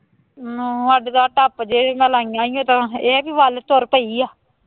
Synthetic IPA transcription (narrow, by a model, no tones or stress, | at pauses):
əɖɡ̪aːʈapd͡ʒeːmɛlãːijãːijõːt̪ãːeːbiːʋaːlt̪oɾpəiːaː